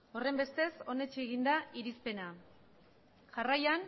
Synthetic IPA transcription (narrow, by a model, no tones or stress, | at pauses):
o̞re̞mbe̞st̪e̞so̞ne̞t͡ʃieɣind̪aiɾispe̞na | ʝarajan